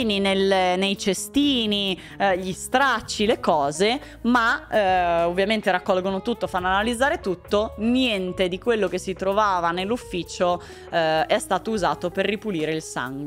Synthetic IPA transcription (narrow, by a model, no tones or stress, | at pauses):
ninelenejt͡ʃest̪iːni | ʎist̪ɾat͡ʃːilekɔːze | ma | ovːjament̪eɾakːɔlɡonot̪ut̪ːofanːanalid̪zːaːɾet̪ut̪ːonjɛnt̪ed̪ikwelːok̟esːit̪ɾovaːvanelːufːiːt͡ʃo | ɛst̪aːt̪ouzaːt̪operːipuliːɾeilsa̰ŋɡw